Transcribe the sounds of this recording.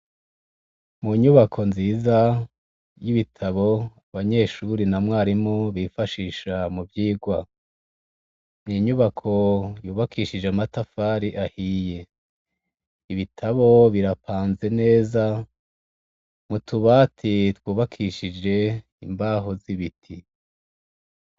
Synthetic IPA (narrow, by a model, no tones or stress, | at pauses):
muɲuβakʰo̞nziːza | jiβitʰaβo̞aβaɲe̞ːʃuɾinamŋwaːɾimoβifaʃiːʃamuvjiːɡwa | niɲuβakʰo̞juːβakʰiːʃid͡ʒeamatafaɾiʔahiːje̞ | iβitʰaβo̞βiɾapʰaːnze̞ne̞ːza | mutuβatʰitwuːβakʰiːʃid͡ʒe̞ | imbaːɦo̞ziβitʰi